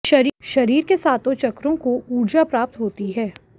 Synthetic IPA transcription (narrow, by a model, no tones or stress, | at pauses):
ʃɐɾʃɐɾiːɾkesaːt̪ot͡ʃɐkɾõkoʔuːɾd͡ʒapɾaːp̚t̪ɦoːt̪iɦɛː